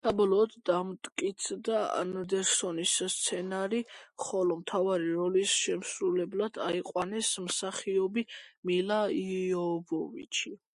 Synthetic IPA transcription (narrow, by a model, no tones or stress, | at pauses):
sabɔlɔːd̪ːamt̪ʼkʼit̪sʰd̪aa̰nd̪ɛɾsɔnisːt̪sʰɛnaɾiχɔlɔmt̪ʰavaɾiɾɔlisʃɛmsɾulɛblad̪̥aiqʼwanɛsmsaχiɔbimilaiɔbɔvḭt͡ʃʰi